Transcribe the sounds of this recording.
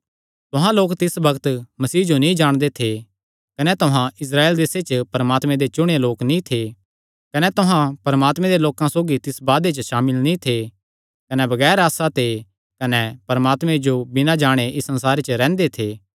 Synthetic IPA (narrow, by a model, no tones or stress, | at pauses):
t̪ʊɦãloːkt̪ɪsbɐɡt̪mɐsiːd͡ʒonĩd͡ʒaːɽ̃d̪et̪ʰe | kɐnɛt̪ʊɦãʔɪs̬ɾaːeːld̪eːset͡ʃpɐɾɐmaːt̪mẽd̪et͡ʃʊɽ̃eloːknĩt̪ʰe | kɐnɛt̪ʊɦãpɐɾɐmaːt̪mɛ̃d̪eloːkãsoːɡit̪ɪsbaːd̪et͡ʃəʃaːmɪlnĩt̪ʰe | kɐnɛbɐɡɛːɾaːsat̪ʰe | kɐnɛpɐɾmaːt̪mẽd͡ʒobɪnãd͡ʒaːɽ̃eʔɪsːɐ̃nsaːɾet͡ʃəɾɛ̃ːnd̪et̪ʰeː